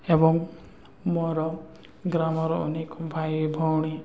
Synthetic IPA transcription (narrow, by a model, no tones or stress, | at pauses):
ebɔŋ | mɔɾɔ | ɡɾamɔɾɔɔ̰nekɔbʱajbʱɔwɽ̃i